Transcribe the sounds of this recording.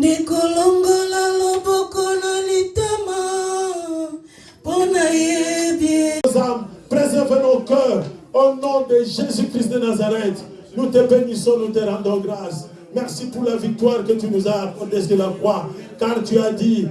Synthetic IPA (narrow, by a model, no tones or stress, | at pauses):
nekolɔŋɡɔlalobɔkɔnalit̪ɛma | bɔnajebjezampʁezɛʁvenɔkœʁonɔ̃d̪eʒezykɾist̪d̪ənazaʁɛt̪ | nut̪epemisɔ̃nut̪eɾɑ̃d̪ɔ̃ɡʁas | mɛʁsipuɾlavik̚t̪waʁkət̪ynuzaːkɔʁd̪esd̪əlakwakaʁt̪yad̪i